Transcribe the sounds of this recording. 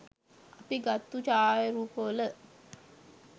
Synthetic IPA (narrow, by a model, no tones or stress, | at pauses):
apiɡat̪ːut͡ʃaːjəɾuːpəələ